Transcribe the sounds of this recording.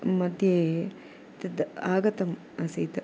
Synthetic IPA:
mɐd̪ʱje | t̪ɐd̪aːɡɐt̪ɐm | ɐsɐjt̪ɐ

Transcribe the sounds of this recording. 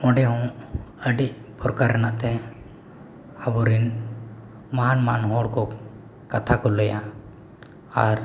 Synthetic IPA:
ɔ̃ɖɛɦɔ̃əɖiʔpɔɾkaɾnaʔt̪ɛ̃ | abɔɾin | maɦanmanɦɔɽko | kət̪ʰakɔləja | aɾ

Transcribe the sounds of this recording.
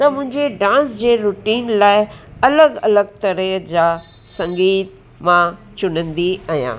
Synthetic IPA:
t̪ɐmʊ̃ɦɪ̃ɲd͡ʑeɖãːsd͡ʑeːɾuʈiːnlaːɪɐləɡɐ̰ləɡ̚t̪ɐɾəd͡ʑaː | sɐ̃ŋɡiːt̪̚ | mã | t͡ɕʊnə̃nd̪iajã̰ː

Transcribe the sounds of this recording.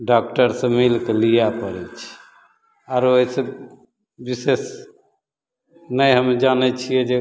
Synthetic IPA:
ɖak̚ʈəɾsẽmilkelijapəɾɛt͡ʃʰi̥ | aɾoɦisẽ | bises | nəjɦəmd͡ʒanɛt͡ʃʰijɛd͡ʒe

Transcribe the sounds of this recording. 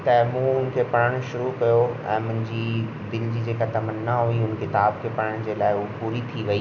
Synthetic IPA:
t̪ɐmũːʊnkʰeːpɐɽəɽ̃ʃʊɾukɐjoɛ̰̃ːmʊ̃ɦɪ̃ɲd͡ʑi | d̪ɪld͡ʑid͡ʑeːkat̪ɐmənːaɦuiʊnkɪt̪aːbkʰeːpɐɽəɽ̃d͡ʑeːlaːɪɦʊpʊɾit̪ʰiʋɐiː

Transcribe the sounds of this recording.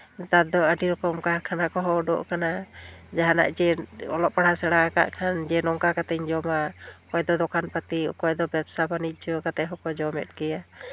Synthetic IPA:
t̪ad̪ɔəɖiɾɔkɔmkaɾkʰanakɔɦɔɖɔ̰ʔkanad͡ʒaɦana̰ʔd͡ʒɛɔ̰lɔʔ̚paɽasɛɽaka̰ʔkʰand͡ʒɛnɔŋkakat̪ɛɲd͡ʒɔmakɔjd̪ɔd̪ɔkʰanpat̪ikɔjd̪ɔbɛbsabaniˀd͡ʒɔkat̪ɛɦɔkɔd͡ʒɔmɛ̰t̪̚ˀkɛja

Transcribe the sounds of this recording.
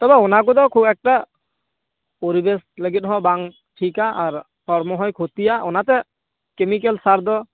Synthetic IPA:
t̪ɔbɛɔnak̬ud̪ɔkʰubɛk̚ʈa | poɾibesləɡit̪̚ˀɦɔ̃baŋ | ʈʰikaʔːɾ | pʰɔɾmɔɦɔjkʰot̪ijaɔnat̪ɛ | kemik̬elsaɾd̪ɔ

